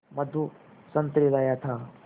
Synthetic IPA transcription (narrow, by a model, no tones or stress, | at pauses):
mɐd̪ʱu | sɐnt̪ɾilajat̪ʰa